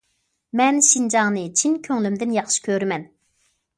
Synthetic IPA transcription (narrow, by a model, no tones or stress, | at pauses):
mɛnʃind͡ʒɑŋnɨt͡ʃʰinkʲʰøŋlymd̪ɪnjɑχʃɨ̥kʲʰøɾmɛn